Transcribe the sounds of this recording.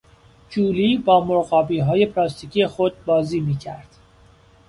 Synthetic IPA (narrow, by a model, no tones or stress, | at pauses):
d͡ʒuːliːbɒːmoɾɣɒːbiːɦɒːje̞pʰlɒːst̪icʰiːjexod̪̚bɒːziːmiːcʰæɾd̪̥